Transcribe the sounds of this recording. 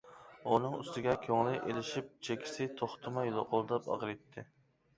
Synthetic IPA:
unɨŋy̰st̪ɪɡʲɛkʲʰøŋlˠɪʔelɪʃip̚t͡ʃʰekʲʰɪ̥sɪt̪ʰoχt̪ʰɨmɑjlˠoqʰʊlˠd̪ɑpɑ̰ʁɾɨjt̪ʰːɪ

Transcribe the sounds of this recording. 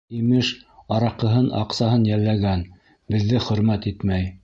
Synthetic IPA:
imɘʃɑɾɑqɤ̆ɦɤnɑ̰qsɑɦɤnjælːæɡæn | bɘ̆ðːɘχɵ̆ɾmæt̪it̪mæj

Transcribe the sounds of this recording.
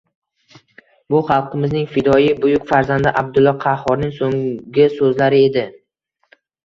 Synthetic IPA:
bʊχɑlˠqɨmɪznɪŋfɪd̪ɒjibʊjʊkʲfaɾzand̪ɪʔab̚d̪ʊlːɒqʰɑhɒɾnɪŋsoŋɡʲɪsɵzlaɾɪe̞d̪ɪ

